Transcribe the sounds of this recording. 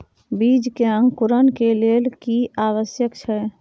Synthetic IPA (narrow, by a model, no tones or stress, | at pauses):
bid͡ʒkeəŋkuɾənkelelkiawəsjəkt͡ʃʰɛ